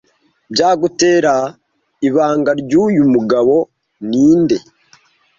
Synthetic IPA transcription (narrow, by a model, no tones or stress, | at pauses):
bɟaːɡute̞ːɾa | iβaːŋɡaɾɟuːjumuɡaβo̞ | niːnde̞